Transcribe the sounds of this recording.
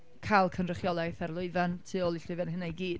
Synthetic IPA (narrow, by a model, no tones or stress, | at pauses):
kʰalˠkʰənrəχjɔlˠajθɛrlˠʊɨvantʰɨɔlˠiɬʊvanɦənajɡiːd̥